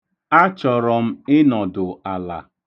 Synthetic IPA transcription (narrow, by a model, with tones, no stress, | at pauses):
a˦t͡ʃɔ˨ɾɔ˨m̩˦ɪ˦nɔ˨dʊ˨a˨la̰˨